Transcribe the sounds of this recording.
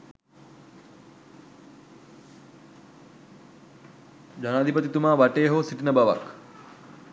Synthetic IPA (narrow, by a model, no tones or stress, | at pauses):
d͡ʒanaːd̪ʱipət̪it̪umaːʋaʈeːɦosiʈinəbaʋa̰k